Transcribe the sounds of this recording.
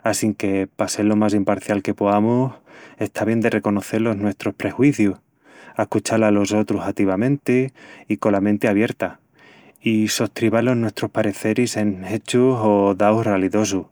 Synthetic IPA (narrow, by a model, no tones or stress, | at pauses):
asiŋke̞pase̞lo̞mas̬impaɾθjalke̞poamose̞st̪ʰaβje̞nd̪e̞rʔe̞ko̞no̞θe̞lo̞ɦnwe̞st̪ɾo̞hpɾe̞xwiθjuh | ahkut͡ʃalalo̞so̞t̪ɾusat̪iβamẽ̞nt̪eiko̞lament̪eaβje̞ɾt̪a | isoht̪ɾiβalo̞ɦnwe̞st̪ɾohpaɾe̞θe̞ɾise̞ne̞t͡ʃuso̞ðawhraliðo̞s̬u